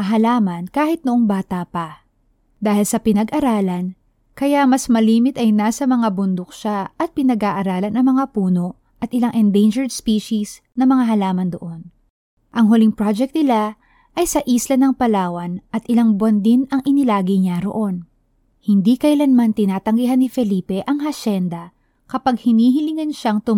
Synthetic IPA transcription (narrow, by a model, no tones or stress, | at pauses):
ɐɦɐlaːmɐnkaːhɪt̪̚noʔoŋbaːt̪ɐpɐ | d̪aːhɪlsɐpɪnɐɡʔɐɾaːlɐn | kɐjamɐsmɐliːmɪt̪ɐjnaːsɐmɐŋabʊnd̪ok̚ʃaʔɐt̪̚pɪnɐɡʔaʔɐɾaːlɐnʔɐŋmɐŋapuːno̞ | ʔɐt̪̚ʔɪlaŋʔɛnd̪ejnd͡ʒɛɹd̪spiːʃis | nɐmɐŋaɦɐlaːmɐnd̪oʔo̞n | ʔɐŋɦʊlɪŋpɹad͡ʒɛk̚t̪nɪla | ʔɐjsɐʔislɐnɐŋpɐlaːwɐnʔɐt̪̚ʔɪlaŋbwɐnd̪ɪnɐŋʔɪnɪlaːɡɪɲaɾo̰ʔo̞n | hɪnd̪ikɐjlɐnmant̪ɪnaːt̪ɐŋɡihɦanːɪfɛliːpɛʔɐŋɦɐʃɛnd̪ɐ | kɐpaɡ̚hɪniːɦɪlɪŋɐnʃaŋt̪ʊ